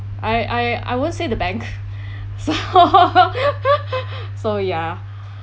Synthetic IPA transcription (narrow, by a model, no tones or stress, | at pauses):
ʔaɪʔaja̰jwõnsedəbɛ̃ŋk | so | soja